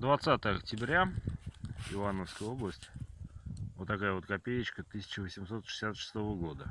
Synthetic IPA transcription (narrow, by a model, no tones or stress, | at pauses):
d̪vat̪sat̪əjəɐk̚tʲɪbɾʲa | ɪvanəfskəjəo̞blˠəsʲtʲ | vot̪ːɐkajəvo̞t̪̚kɐpʲejɪt͡ɕkət̪ɨsʲɪ̥t͡ɕɪvəsʲɪmso̞t̪ʂɨ̥sʲat̪ʂɨ̥st̪o̞vəɡo̞d̪ə